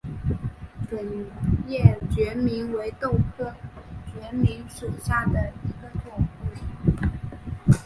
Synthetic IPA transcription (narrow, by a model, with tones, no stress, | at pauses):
pə˨˩njɛ˥˩t͡ɕɥɛ˧˥mi˧˥nwe˧˥ɪt̪o˥˩ʊkʰɤ˥˩t͡ɕɥɛ˧˥mi˧˥nʂu˨˩ɕja˥˩d̪ə˩i˧˥ɡə˧t̪ʰʊ˥˩ŋu˥˩